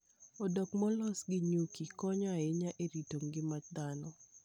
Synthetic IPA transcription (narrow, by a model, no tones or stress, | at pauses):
ɔdɔkmɔlɔsɡɪɲukikɔɲɔɪɲaʔeɾitoŋɡɪmat͡ʃd̪anɔ